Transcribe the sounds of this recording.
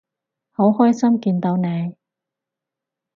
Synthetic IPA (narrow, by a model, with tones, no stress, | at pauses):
ho˨˥whɔː˥jsɐ˥mkiː˧nt̪o˨˧wne˨˧j